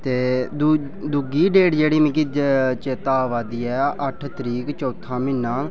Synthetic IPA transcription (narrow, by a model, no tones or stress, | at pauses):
t̪eːd̪ | d̪ʊɡiːɖeːɖd͡ʒeːɽiːmɪ̃kit͡ʃeːt̪aːʋaːd̪iːɛːʔəʈʰt̪əɾiːkt͡ʃɔːt̪ʰãːmɪnːaː